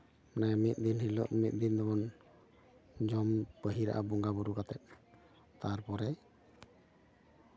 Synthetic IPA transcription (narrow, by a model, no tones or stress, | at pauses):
namit̪̚ˀd̪inhilɔ̰ʔmit̪̚ˀd̪ind̪ɔbɔn | d͡ʒɔmpəɦiɾa̰ʔabɔŋɡabuɾukat̪ɛt̪̚ | t̪aɾpɔɾɛ